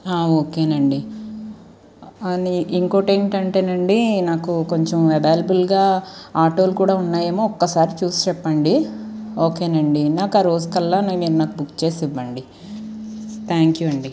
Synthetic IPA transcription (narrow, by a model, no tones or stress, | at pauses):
aːoːkeːnɐɳɖi | ɐniʔiŋko̞ːʈeŋʈɐɳʈeːnɐɳɖinaːkukoɲt͡ʃomɛbaːlɐbulɡaːaːʈo̞ːlukuːɽaːunːaːjemoːɔkːɐsaːɾit͡ʃuːsi̥t͡ʃɛpːɐɳɖioːke̞ːnɐɳɖinaːkaːɾoːskɐlːaːnaːmiːɾunaːkubukːt͡ʃe̞ːsiʋːɐɳɖi | t̪ʰaːŋkjuɐɳɖi